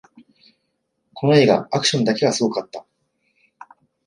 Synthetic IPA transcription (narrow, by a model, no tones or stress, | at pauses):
ko̞no̞e̞ːɡa̰akɯ̟̥ɕõnd̪ake̞ɡasɨɡo̞kat̪ːa